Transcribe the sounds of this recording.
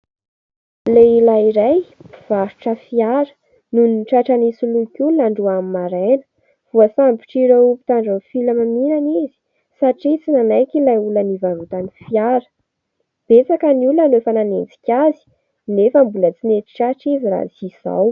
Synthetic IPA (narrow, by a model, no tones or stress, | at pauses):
lelaiɾajv̥aɾuʈ͡ʂəfiaɾə̥ | nuninʈ͡ʂaʈ͡ʂanisuluikʲulunaɳɖ͡ʐuamimaɾenə̥ | v̥uasambi̥ʈ͡ʂiɾopi̥t̪aɳɖ͡ʐanfilamaminanizi̥ | saʈ͡ʂit͡sinanajkʲilajulanivaɾut̪anifiaɾə̥ | b̥et͡sakəniulunanoefananend͡zi̥kʲazi̥ | nefəmbulət͡sineʈ͡ʂi̥ʈ͡ʂaʈ͡ʂiziɾa̰ziz̥a̰w